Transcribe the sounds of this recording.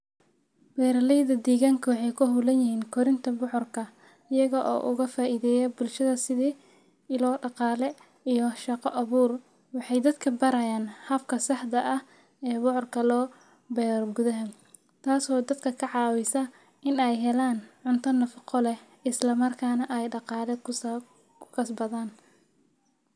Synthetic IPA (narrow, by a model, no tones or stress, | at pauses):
b̥ɛːɾɐlɛjðɐd̪iːɣaːŋkʰɐwɑħɑjkʰʊɦuːlɐnjɪhiːnkʰɔɾɪnt̪ʰɐbʊħʊrkʰɐ | ɪjɐɣɐʔɔ̰ːʔʊ̰ɣɐfaːʔiːðɛːjɐbʊlʃɐðɐsɪðiː | ɪlɔːɖɑqɑːlɛ | ijɔʃɑqɔʔɐβuːr | wɑħɑjd̪ɐd̪kʰɐbɐɾɐjaːnhɐfkʰɐsɑħd̪ɐʔɐh | ɛːbʊħɔrkʰɐlɔː | bɛːrɡʊðɐɦɐ | t̪ʰaːsɔːd̪ɐd̪kʰɐkʰɐʕɑːwɪsɐ | ɪnɛjɦɛlaːnʕʊnt̪ʰɐnːɐfɑqɔlɛ | ɪslɐmɐrkʰaːnɐʔɛjɖɑqɑːlɛk | kʰʊ̥kʰɐsbɐðaːn